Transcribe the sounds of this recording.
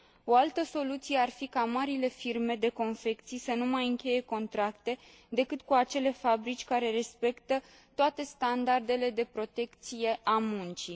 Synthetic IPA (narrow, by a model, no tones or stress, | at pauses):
o̞alt̪əso̞lut̪sije̞arfikamaɾile̞firme̞d̪e̞ko̞nfe̞kt̪sijsənumajɨŋkʲe̞je̞ko̞nt̪ɾakt̪e̞ | d̪e̞kɨt̪kuat͡ʃe̞le̞fabɾit͡ʃʲkaɾe̞ɾe̞spe̞kt̪ə | t̪oat̪e̞st̪and̪ard̪e̞le̞d̪e̞pɾo̞t̪e̞kt̪sije̞amunt͡ʃi